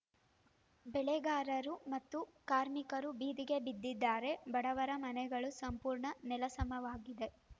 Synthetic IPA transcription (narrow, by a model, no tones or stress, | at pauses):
bɛɭɛɡaːɾɐɾumɐt̪ːukaːɾmikɐɾubiːd̪iɡe̞bid̪ːid̪ːaːɾe̞bɐɽɐʋɐɾɐmɐnɛɡɐɭusɐmpuːɾɳɐnɛlɐsɐmɐʋaːɡid̪e̞